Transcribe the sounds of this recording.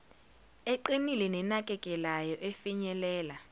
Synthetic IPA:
eǃinilɛnɛnakʼɛkʼɛlajɔʔefiɲɛlɛːla

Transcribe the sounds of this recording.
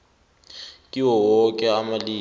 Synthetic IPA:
kʼiwɔwɔkʼɛamaliː

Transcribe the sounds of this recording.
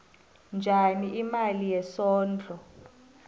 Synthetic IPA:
nd͡ʒʱaniʔimalijɛsɔːnd͡ɮʱɔ

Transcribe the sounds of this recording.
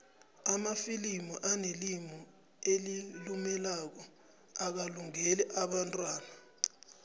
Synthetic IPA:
amafilimɔʔanelimɔ | elilumɛlak̬ɔ | ak̬aluŋelɛʔaɓantʼwaːna

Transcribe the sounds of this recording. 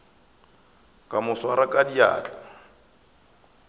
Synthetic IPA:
kʼamʊswaɾakʼadia̰ːt͡ɬʼḁ

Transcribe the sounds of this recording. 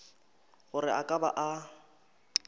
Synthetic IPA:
ɣʊrɪakʼaba̰ʔa

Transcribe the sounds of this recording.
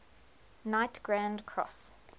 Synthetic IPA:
naɪtɡ̥ɹãndkʰɹɔ̰s

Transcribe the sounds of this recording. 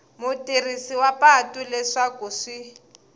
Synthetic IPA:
mʊtʼirisiwapatulɛʂakuʂi

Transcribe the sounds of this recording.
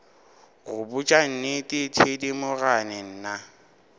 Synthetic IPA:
ɣʊbʊt͡ʃʼan̩nɪtʼɪtʰedimʊɣanɪn̩ːna

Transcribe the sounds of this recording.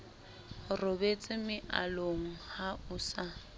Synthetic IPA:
robet͡sʼɪmɪʔaloŋ̩haʊsa

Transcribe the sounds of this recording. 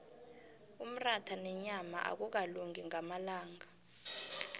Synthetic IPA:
um̩ratʰanɛɲama̰ʔa̰k̬uk̬aluŋiŋamalaːŋa

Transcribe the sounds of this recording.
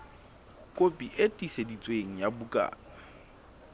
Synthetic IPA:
kʼopʼiʔetʼisedit͡sʼweŋ̩jabukʼa̰ː | a

